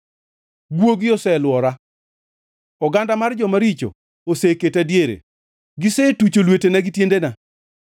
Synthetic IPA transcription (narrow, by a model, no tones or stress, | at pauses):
ɡwoɡɪɔsɛlwɔɾa | ɔɡandamard͡ʒɔmaɾit͡ʃo̰ | oseketadjeɾḛ | ɡɪsetut͡ʃolwetenaɡɪtjendena